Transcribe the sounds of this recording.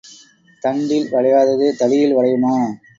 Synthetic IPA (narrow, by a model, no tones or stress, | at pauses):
t̪ɐɳɖɪlʋɐɻɐjaːðɐðɯt̪ɐɽɪjɪlʋɐɻɐjɯmaː